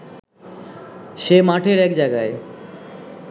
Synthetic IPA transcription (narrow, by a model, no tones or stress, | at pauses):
ʃemaʈʰeɾɛkd͡ʑajɡae